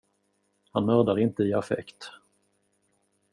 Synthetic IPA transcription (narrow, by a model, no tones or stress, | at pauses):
hanmœɾd̪aɾɪnt̪əɪafɛ̰kt̪